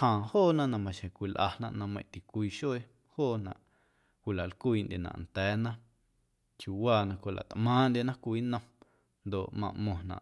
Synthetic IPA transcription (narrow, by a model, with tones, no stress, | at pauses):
hãː˨hoː˦˨nã˦ʔnã˨mã˨ʃẽ˨kʷi˨lʔa̰˧nã̰˧ʔnã˧mə̃˧˨t̪i˨kʷiː˧ʃo˦e˧ | hoː˦˨nã̰˨ʔ | kʷi˨la˨ʔlkʷiː˧ndʲʔe˨nã̰˨nt̪ɛː˨˦nã˦ | kju˨˧waː˧˨nã˧kʷo˨la̰˨t̪ʔmãː˦nd̪ʲje˧nã˦kʷiː˧˦nə̃˧m | nd̪o˨ʔmã̰˧ʔmõ˨nã̰˨ʔ